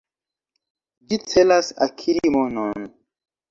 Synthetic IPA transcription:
d͡ʒit͡selasa̰kʰiɾimonon

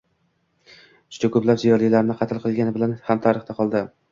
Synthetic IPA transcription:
ʊ̥t͡ʃʰakʰɵplapzijɒɾlɪlaɾɪnɪqʰɑt̪ʰɪlˠqʰɨlˠɡʲanɪbɪlanhamt̪ʰaɾɪχt̪aqʰɒlˠd̪ɪ

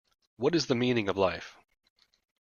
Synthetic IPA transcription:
wʌɾɨzðɨmĩnɪ̃ŋʌvlaɪf

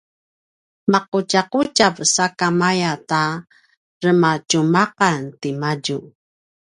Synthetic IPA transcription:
maqucaqut͡ʃavsakamajata | ɾəmacumaqantimaɟu

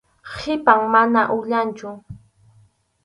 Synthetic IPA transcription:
hɪpaŋmanaʔʊʎant͡ʃʊ

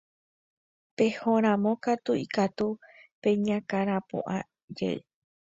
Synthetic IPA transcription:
pe̞hõɾ̃ãmõ̞kat̪uikat̪upẽ̞ɲãkaɾ̃ãpõ̰ʔã | d͡ʒḛe

